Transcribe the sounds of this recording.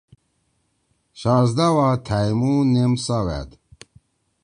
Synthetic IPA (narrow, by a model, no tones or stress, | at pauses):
ɕaːzd̪awat̪ʰajmunemsawæ̰d̪